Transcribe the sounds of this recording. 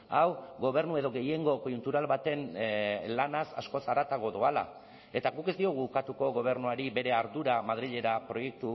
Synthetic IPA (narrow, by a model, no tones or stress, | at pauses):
awɣo̞β̞e̞ɾnue̞ðo̞ɣe̞je̞ŋɡo̞ko̞junt̪uɾalβat̪e̞nlanasa̰sko̞saɾat̪aɣ̞o̞ðoala̰ | e̞t̪aɣuke̞zd̪io̞ɣukat̪uko̞ɣo̞β̞e̞ɾnuaɾibe̞ɾe̞aɾðuɾamað̞ɾiʎe̞ɾapɾo̞je̞k̚t̪u